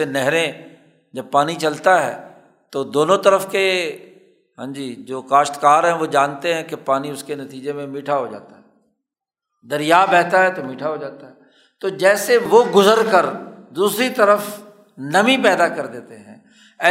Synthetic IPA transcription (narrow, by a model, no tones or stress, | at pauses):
enɛɦɾẽ | d͡ʒɐb̚paːnit͡ʃɐlt̪aɦɛ̰ː | t̪od̪oːnõt̪əɾəfke | ɦãːd͡ʒiːd͡ʒoːkaːʃt̪kaːɾɦɛ̃ʋod͡ʒaːnt̪eɦɛ̃kepaːniʊskenɐt̪iːd͡ʒemẽmiːʈʰaɦod͡ʒa̰ːt̪aɦɛː | d̪əɾɪjaːbɛːt̪aɦɛt̪omiːʈʰaɦod͡ʒaːt̪aɦɛː | t̪oːd͡ʒɛːseʋoːɡʊzəɾkəɾd̪uːsɾit̪əɾəf | nɐmĩpɛːd̪akɐɾd̪eːt̪eɦɛ̰̃ː | ɛː